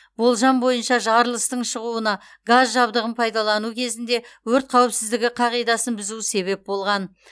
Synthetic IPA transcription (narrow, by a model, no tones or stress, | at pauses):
bo̞lˠʒɑmbo̞jənʃɑʒɑɾlˠəst̪əɴʃəʁuənɑ | ɡazʒɑbd̪əʁənpʰɑjd̪ɑlˠɑnukʲʰe̞zɪnd̪e̞wɵɾt̪̚qʰɑwɪpsɪzd̪ɪɡʲɪqʰɑʁijd̪ɑsənbɪzuse̞βe̞p̚bo̞lˠʁɑn